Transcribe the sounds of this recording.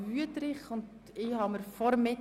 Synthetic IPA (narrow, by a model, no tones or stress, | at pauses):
vyət̪ɾɪχʊnd | ɪhɑməɾfɔɾmɪ